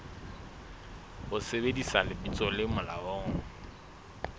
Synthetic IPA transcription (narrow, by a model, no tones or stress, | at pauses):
ʊsebedisalɪbit͡sʼɔlɪmʊla̰ɔːŋ̩